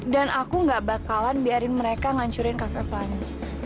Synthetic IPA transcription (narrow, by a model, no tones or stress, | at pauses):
danʔakuŋɡaʔbakalanbiaɾɪnməɾekaŋaɲt͡ʃuɾɪnkafɛpəlani